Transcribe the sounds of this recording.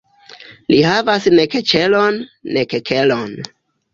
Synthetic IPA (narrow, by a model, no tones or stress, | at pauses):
lihavasneket͡ʃelonːekekʰe̞lon